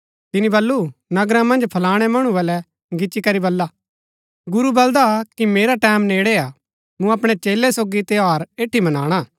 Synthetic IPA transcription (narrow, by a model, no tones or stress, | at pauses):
t̪ɪnibɐlːunɐɡɾãmɐ̃nd͡ʒpʰɐlaːɽ̃ɛmɐɽ̃ũbɐlɛ | ɡɪt͡ʃikɐɾibɐlːa | ɡʊɾubɐld̪akimeːɾaʈɛːmneːɽea | mũɐpɽ̃ɛt͡ʃeːlɛsoːɡit̪eaːɾeːʈʰːimɐnaːɽ̃aː